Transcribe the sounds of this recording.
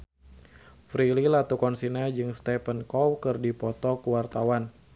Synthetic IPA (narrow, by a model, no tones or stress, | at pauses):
fɾililat̪ukɔnsinad͡ʒɨŋst̪ɛpənkɔwkɨrdipɔt̪ɔkuwart̪awan